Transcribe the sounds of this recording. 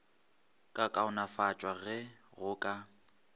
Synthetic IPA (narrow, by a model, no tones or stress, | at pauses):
kʼakʼaʊnafat͡ʃʼwaɣɛɣʊkʼa